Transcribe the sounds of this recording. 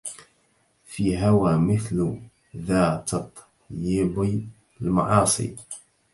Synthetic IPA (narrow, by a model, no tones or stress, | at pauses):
fiːɦawaːmɪθl | ðaːt̪t̪ˤː | jiːbi | lmɑ̰ʕɑːsˤḭː